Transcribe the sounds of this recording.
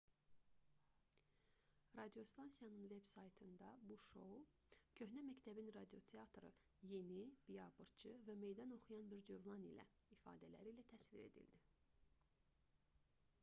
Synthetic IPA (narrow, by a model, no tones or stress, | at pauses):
rɑd̪io̞st̪ɑnsijɑnɯnve̞bsɑjt̪ʰɯnd̪ɑbuʃo̞ | cʰø̞ɦnæmæct̪ʰæbinrɑd̪io̞t̪ʰeɑt̪ʰɾɯ̰ | je̞nib̥ijɑbɯɾt͡ʃʰɯvæme̞jd̪ɑno̞χujɑnbiɾd͡ʒøvlˠɑnḭlæ̰ifɑ̰ːd̪ælæ̰ɾiːlæt̪ʰæsviɾe̞̰d̪ḭld̪i